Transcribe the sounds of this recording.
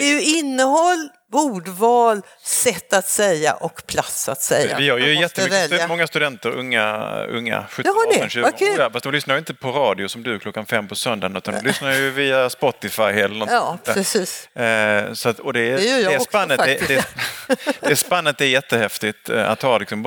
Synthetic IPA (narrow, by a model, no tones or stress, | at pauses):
d̪ɛjɪnːəhɔlː | vuːɖvɑːl | sɛt̪ːat̪sɛjːa̰ʔɔkpʰlat̪sat̪sɛjavɪjœːɾjɵjɛt̪ːəmɛlmɔŋːast̪ɵd̪ɛnt̪əɾɵ̰ŋːa̰ɵ̰ŋːa̰ɧɵtɛnɕʉːɡkʉːafast̪d̪ɔmlʏsnaɾjʏɪnt̪əpʰɔɾɑːd̪ɪʊsɔmd̪ɵklɔkːanfɛmːpʰɔsœnd̪anʉ̟t̪and̪ɔmlʏsnaɾjɵviːaspɔt̪ːɪfajɛlːəɾnɔnːpɾɛsiːs | sɔat̪ɔd̪ɛɛsanːəd̪ɛd̪ɛ | d̪ɛːspanːət̪̚d̪ɛɛjɛt̪ːəhɛft̪ɪt̪a̰t̪hɑlɪksɔm